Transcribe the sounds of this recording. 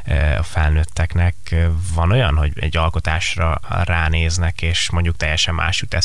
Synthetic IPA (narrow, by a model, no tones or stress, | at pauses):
ɒ̰fɛlnøːt̪ːɛknɛkvɒno̞jɒnɦo̞ɟɛ̰ɟːɒlko̞t̪aːʃrɒ̰raːneːznɛkeːʃmo̞ɲɟuk̚t̪ɛjːɛʃɛmːʔa̰ːʃut̪ɛ